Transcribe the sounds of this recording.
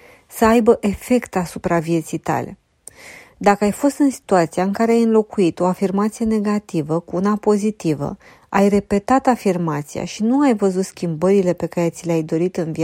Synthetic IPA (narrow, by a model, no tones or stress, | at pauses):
səajbəʔe̞fe̞kt̪asupɾavie̞t̪sijt̪a̰le̞̰ | d̪akəajfo̞st̪ɨnsi̥t̪uat̪siaɨŋkaɾe̞ajɨnlo̞kuit̪o̞afirmat̪sije̞ne̞ɡat̪ivəkuunapo̞zit̪ivə̰ | ajre̞pe̞t̪at̪afirmat̪sija̰ʃinuajvəzut̪skʲimbəɾile̞pe̞kaɾe̞t̪sileajd̪o̞ɾit̪ɨnvi